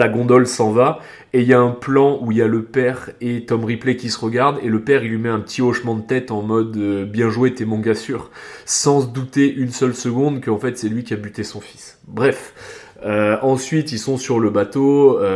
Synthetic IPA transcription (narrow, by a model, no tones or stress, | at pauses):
aɡɔ̃d̪ɔlsɑ̃va | eiljaɛ̃plɑ̃uiljaləpɛʁet̪ɔmʁiplekʲisəʁəɡaʁd̪eləpɛʁilɥimɛɛ̃pət̪ʰiɔʃmɑ̃d̪ət̪ɛt̪ɑ̃mɔd̪øbjɛ̃ʒwet̪emɔ̃ɡasyʁsɑ̃səd̪ut̪eʔynsœlsəɡɔ̃d̪kəɑ̃fɛt̪sɛlɥikʲiabyt̪esɔ̃fi̥s | bʁɛf | øɑ̃sɥit̪ilsɔ̃syʁləbat̪oø